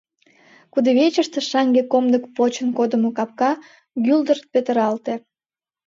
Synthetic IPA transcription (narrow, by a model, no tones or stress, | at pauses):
kud̪eβet͡ɕəʃt̪eʃɑŋɡekomd̪əkpot͡ɕənkod̪əmokɑp̚kɑ | ɡyld̪ərt̪̚pet̪əɾɑlt̪e